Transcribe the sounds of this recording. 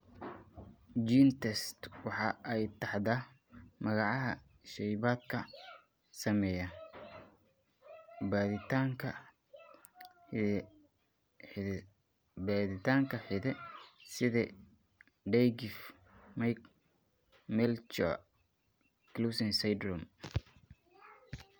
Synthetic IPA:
d͡ʒiːnt̪ʰɛst̪wɑħɑːʔɛjt̪ʰɑħd̪ɐ | mɐɣɑʕɑɦɐ̰ | ʃɛjβaːd̪kʰɐ | sɐmɛjɐ | baðɪt̪ʰaːŋkʰɐ | baːðɪt̪ʰaːŋkʰɐħɪðɛsɪðɛ | ɖɛjɡɪf | majk | mɛlt͡ʃɔ̰ | klusɪnsɐjd̪rɔm

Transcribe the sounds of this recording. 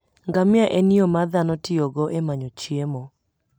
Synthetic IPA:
ŋɡamɪaʔeniomad̪anɔtɪɔɡɔʔemaɲot͡ʃiemɔ

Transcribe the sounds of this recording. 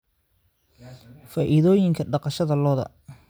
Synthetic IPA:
faːʔɪðɔːjɪŋkʰɐɖɑqɑʃɐðɐlɔːðɐ̰

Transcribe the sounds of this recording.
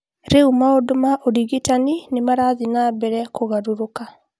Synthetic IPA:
ɾeumaodomaʔoɾiɣitaninemaɾaðinabɛɾɛkoɣaɾuɾoka

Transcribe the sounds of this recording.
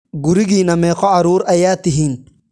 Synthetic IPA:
ɡʊɾɪɣiːnɐmɛːqɔʕaɾuːɾʔɐjaːt̪ɪɦiːn

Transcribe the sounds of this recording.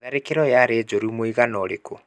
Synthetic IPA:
aɾekeɾɔjaɾeːd͡ʒoɾimoiɣanɔɾeko

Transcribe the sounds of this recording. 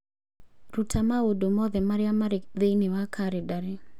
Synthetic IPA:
ɾutʰamawodomɔðɛmaɾjamaɾɪkðenɪwakʰaɾɪdaɾɪ

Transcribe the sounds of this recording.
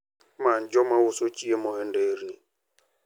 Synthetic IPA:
man̩d͡ʒɔmawʊsot͡ʃiemɔɦɛn̩deɾi

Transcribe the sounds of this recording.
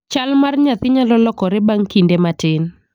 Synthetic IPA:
t͡ʃalmarɲat̪ɪɲalɔlɔkɔɾɛbaŋkindematɪn

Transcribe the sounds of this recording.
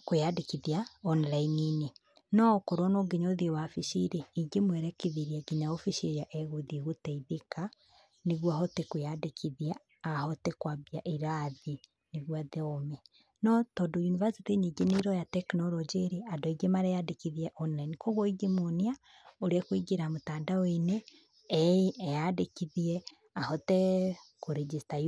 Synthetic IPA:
kojadekiðiaɔnlainine | nɔkoɾɔnoɡiɲoðiwafiʃiɾeiɡemwɛɾɛkeðiɾiaɡiɲaofiʃiɾjaʔɛɣoðiɣutɛiðeka | neɣwaɦɔtekojadekʰiðiaː | hɔtekwabiaʔiɾaði | niɣwaðeome | notodujinuvazitiɲiɡiniɾojateknolɔd͡ʒiɾiadoiɡemaɾejadikiðijeʔonanikoɣoiɡimunia | uɾekwiɡiɾamutadawineː | iːjadikiðie | ahotekuɾid͡ʒista

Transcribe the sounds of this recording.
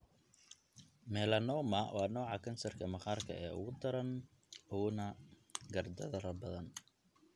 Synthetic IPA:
mɛːlɐnɔːmɐwʔɑːnɔːʕɑkʰɐnsɐrkʰɐmɐχaːrkʰɐ̰ʔɛːʔʊ̰ɣʊd̪ɐɾɐn | ʊnɐ | ɡɐrd̪ɐðɐɾɐbɐðɐn

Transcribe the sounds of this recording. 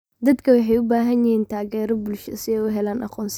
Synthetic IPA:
d̪ɐd̪kʰɐwɑħɛjʊbaːɦɐnjɪhiːnt̪ʰaːɣɛːɾɔbʊlʃsɪɛːʊɦɛlaːnʔɑ̰qɔːns

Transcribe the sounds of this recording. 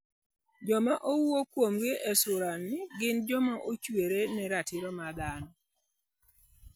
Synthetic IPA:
d͡ʒɔmaʔowuokwomɡɪʔɛsʊɾanːɪɡɪnd͡ʒɔmaʔot͡ʃweɾenɛɾatɪɾɔmad̪anɔ

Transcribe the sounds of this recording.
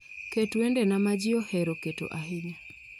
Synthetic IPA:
ketuendenamad͡ʒɪɔhɛɾoketo̰ʔaɦɪɲa

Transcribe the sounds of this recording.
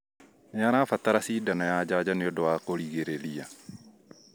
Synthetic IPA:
jaɾafat̪aɾasidanajad͡ʒad͡ʒaneɔdɔwakoɾiɣeɾeɾia

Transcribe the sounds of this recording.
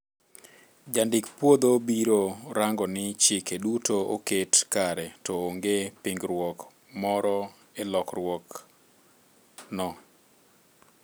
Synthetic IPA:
d͡ʒandɪkpwod̪obiɾoɾaŋɡɔnɪt͡ʃɪkedutoo̰ketkaɾɛtɔoŋɡepɪŋɡɾwɔk | mɔɾɔ | elɔkrwɔk | nɔ

